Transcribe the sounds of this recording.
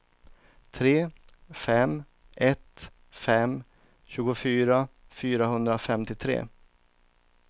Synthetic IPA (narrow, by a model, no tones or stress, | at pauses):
t̪ʰɾeː | fɛm | ʔɛt̪ | fɛm | ɕʉ̟ːɡʊfyːɾa | fyːɾaɦɵnd̪ɾafɛmt̪ɪt̪ʰɾḛː